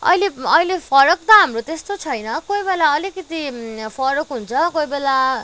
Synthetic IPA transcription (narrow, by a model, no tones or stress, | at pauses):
ʌ̰jleʌilepʰʌɾʌk̚t̪ʌɦamrot̪est̪ot͡sʰʌjnʌkojbelaʌlikʌt̪ipʰʌɾʌkɦunt͡sʰʌkojbela